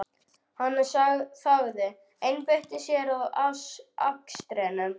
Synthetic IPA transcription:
hanːasaɣθaɣðɪ | ejnpeht̪ɪsjɛɾaðasa̰kst̪ɾɛnʏm

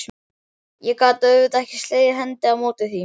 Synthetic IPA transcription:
jɛkaːt̪œɥvɪðɛhcɪ̥st̪leːjðɪɦɛnt̪ɪawmoːt̪ɪθi

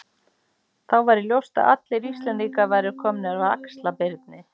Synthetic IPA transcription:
θawvajɾɪljowst̪a̰ða̰t̪lɪɾist̪lɛnt̪ikavaːjɾɪɾkʰɔmnɪaɾaðakst̪lapɪɾt̪̚nɪ

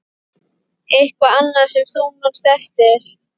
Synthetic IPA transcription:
ejhkvaanːḁsɛmθunɔnst̪ɛft̪ɪɾ̥

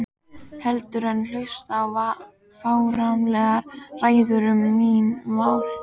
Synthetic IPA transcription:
hɛlt̪ʏɾɛnːlœɥst̪ava | faːwɾamlɛɣaɾraːjðʏɾʏmːinmaːwl

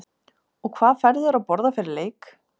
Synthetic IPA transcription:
ɔkʰvaːðfɛɾðʏɾawpɔɾðafɪɾɪɾleːjk

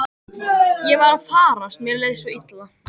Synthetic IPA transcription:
jɛɣvaɾaðfaːɾast̪mjɛɾleːjðsɔit̪la

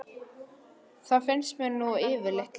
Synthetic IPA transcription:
θafɪnsmɛnːuɪːvɪɾleht̪l

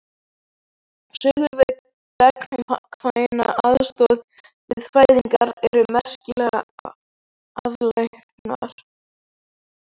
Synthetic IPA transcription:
sʏɣʏɾvɪk | vɛknʏmkʰvajna̰aðst̪ɔð | vɪðfaːjðiŋkaɾɛɾʏmɛr̥cɪlɛɣa | aðlahknaɾ̥

